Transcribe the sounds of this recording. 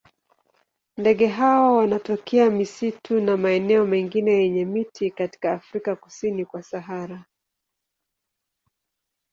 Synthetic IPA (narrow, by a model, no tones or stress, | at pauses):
ndɛɠɛɦawɔwanatɔkɛamisitunamaɛnɛɔmɛŋɡinɛjɛɲɛmitʰikati̥kaːfɾikaku̥sinikwasaɦaɾa